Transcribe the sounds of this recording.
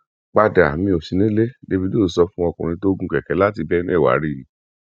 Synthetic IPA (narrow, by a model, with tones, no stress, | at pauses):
k͡pa˧da˨mĩ˧o˨ʃi˨˧nĩ˦le˦de˧bi˦do˦˨˦sɔ˧fũ˦ɔ˧kũ˨ɾ̃ĩ˧˦to˦ɡũ˦kɛ˨kɛ˨˦la˦ti˧bɛ˦nĩ˦˨wa̰˨˦ɾi˦˨